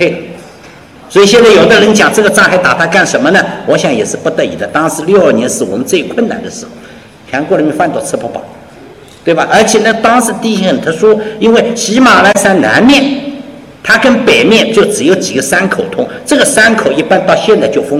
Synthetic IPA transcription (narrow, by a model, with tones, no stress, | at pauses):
e˥˩ɪlə˩ | swɔ˧˥i˨˩ɕjɛ˥˧nt͡sa˥˩ɪjo˨˩ʊd̪ə˧ɻə˧˥nt͡ɕjɑ˨˩ŋʈ͡ʂɤ˥˩ɡə˩ʈ͡ʂɑ˥˩ŋxa˧˥ɪt̪a̰˨˩t̪ʰa˥ka˥˩nʂə˧˥nmə˧nə˧wɔ˧˥ɕjɑ˧˥ŋjɛ̰˨˩ʂɻ̩˥˧pu˧˥t̪ɤ˥˩ḭ˨˩d̪ə˦t̪ɑ˥ŋʂɻ̩˧˥ljo˥˧ʊə˞˥˩njɛ˧˥nʂɻ̩˥˩wɔ̰˨˩mə˦nt͡swe˥˧ɪkʰwə˥˩nna̰˨˩nd̪ə˦ʂɻ̩˧˥xo˧˩ʊ | t͡ɕʰɛ˧˥kwɔ˥˩ɻə˧˥mʲɛ˧˥nfa˥˧nt̪wɔ˥˧˩t͡sʰɤ˥˧pʰɔ˧˥pɑ̰˨˩ʊ | t̪we˥˩ba˩ʔə˞˧˥t͡ɕʰjɛ˨˩nə˥t̪ɑ˥ŋʂɻ̩˧˥t̪i˥ɕxə˨˩nt̪ʰə˥ʂwɔ˥i˥nwe˥˩ɪɕi˧˥ma˨˩la˥˧ɪsa˥nna̰˧˥nmjɛ˥˩n | t̪ʰa˥kə˥npe˨˩ɪmjɛ˥˧nt͡ɕjo˥˩ʊʈ͡ʂɻ̩˨˩jo˧˥˩ʊt͡ɕi˨˩ɡə˦sa˥nkʰo˨˩ʊt̪ʰʊ˥ŋʈ͡ʂɤ˥˩ɡə˩sa˥nkʰo˨˩ʊi˥˧pa˥nt̪ɑ˥˧ʊɕjɛ˥˧nt͡sa˥˧ɪt͡ɕjo˥˩ʊfʊ˥ŋ